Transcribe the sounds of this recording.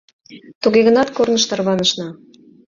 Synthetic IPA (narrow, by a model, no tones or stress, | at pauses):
t̪uɣeɣə̆nɑt̪kornəʃt̪ɑrβɑnəʃnɑ